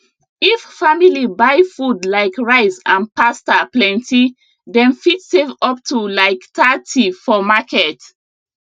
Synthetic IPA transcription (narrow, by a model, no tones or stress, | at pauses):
iffamilibajfudlaɪkɹaɪsãnpastaplɛ̃nti | dɛ̃nfitsevɔp̚tʰulaɪktʰatʰifɔmakɛt